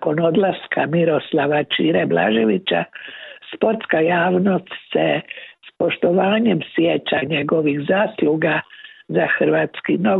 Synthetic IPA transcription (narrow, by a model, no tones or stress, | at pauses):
ko̞no̞d̪laskamiɾo̞slaʋat͡ʃiːɾebla̰ʒiʋit͡ɕa̰spo̞ɾt̪skajaːʋno̞st̪sespo̞ʃt̪o̞ʋaːɲe̞msjet͡ʃaɲe̞ɡo̞ʋixzaːsluɡazaxr̩ʋaːt̪skino